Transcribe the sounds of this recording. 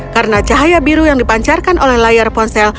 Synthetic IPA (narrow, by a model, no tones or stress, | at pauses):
kaɾənat͡ʃaɦajabiɾujaŋdipaɲt͡ʃarkanʔolɛhlajarpɔnsɛl